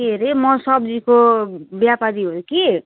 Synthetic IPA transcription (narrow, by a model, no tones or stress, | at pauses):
eɾemʌsʌbd͡zikobjapaɾiɦoɾuki